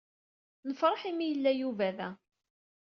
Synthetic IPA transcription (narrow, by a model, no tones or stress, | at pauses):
nəfɾˤɑħimijəlːæjuvæðæ